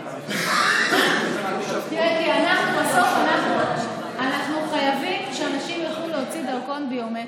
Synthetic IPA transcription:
t̪iʁekianaχnubaso̞fanaχnu | anaχnuχajavimʃeanaʃimjaχluleot͡sid̪alko̞nbejome

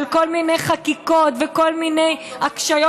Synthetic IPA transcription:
lko̞lminejχakiko̞t̪veko̞lminejakʃajo

